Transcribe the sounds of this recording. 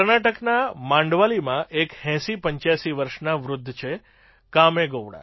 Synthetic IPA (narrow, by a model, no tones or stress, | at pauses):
ɾnaʈəknamãɳɖʋalimãʔekhɛ̃sipəɲt͡ʃjasiʋəɾʃnaʋɾʊd̪ʱːt͡ʃʰe | kameɡoʋɽa̰